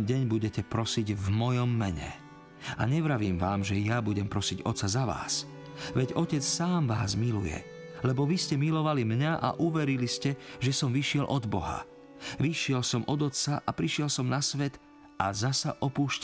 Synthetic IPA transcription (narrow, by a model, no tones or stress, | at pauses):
ɟɛɲbuɟɛcɛpɾɔsiɟvmɔjɔmːɛɲɛ̰ | a̰ɲɛʋɾaʋiːmʋaːmʒɛjabuɟɛmpɾɔsiɟɔt̪t͡sazaʋa̰ːs | ʋɛɟɔcɛt͡ssaːmʋaːzmilṵjɛ̰ | lɛbɔʋiscɛmilɔʋalimɲaʔa̰ʔuʋɛɾiliscɛʒɛsɔmʋiʃɪɛlʔɔd̪bɔ̰ɦa̰ | ʋiʃɪɛlsɔmʔɔd̪ɔt̪t͡saʔapɾiʃɪɛlsɔmnasʋɛt̪ | azasaʔɔpuːʃc